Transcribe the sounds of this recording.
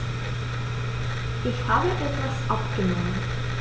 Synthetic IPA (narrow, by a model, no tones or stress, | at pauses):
ʔɪçhaːbəʔɛtv̥asʔapɡ̥ənɔmən